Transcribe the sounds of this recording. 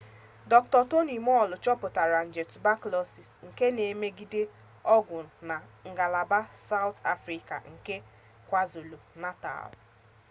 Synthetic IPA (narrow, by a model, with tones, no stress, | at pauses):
dɔ˦ktɔ˨to˦ni˨mɔ˦˨lʊ˨t͡ʃɔ˦pʊ˨ta˨ɾa˨n̩˨d͡ʒe˨tʊ˨ba˦klɔ˦si˨sŋ̩˨ke˦ne˨˦me˦ɡi˦de˦ | ɔ˦ɡʷʊ˨na˨ŋ̩˨ɡa˨la˨ba˦sa˦wtʰa̰˦fɾi˨ka̰˨ŋ̩˨ke˦ | kʷa˦zo˨lo˨na˦ta̰˨l